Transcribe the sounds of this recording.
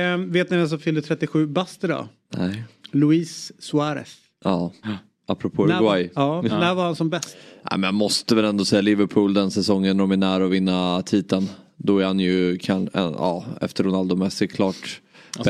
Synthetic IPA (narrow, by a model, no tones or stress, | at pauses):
veːt̪nɪvɛns̬ɔfʏlət̪ʰɾɛt̪ːɪɧʉ̟ːbast̪əd̪ɔ̰ | nɛlʊiːsːʊaɾɛ̰s | ʔɑː | apːɾɔpʰoːajɑːnæɾvaɾhansɔmbɛst̪næ̰ɪmɛnjamɔst̪əvɛlɛnd̪ɔsɛjːalɪvəɾpʰuːld̪ɛnsɛsɔŋːənɔmænæːɾɔvɪnːat̪ʰiːt̪ən | d̪ɔæɾhanjɵkʰanɛ̰nɑ̰ːɛ̰ft̪əɾʊnald̪ʊmɛsɛkʰlɑːʈ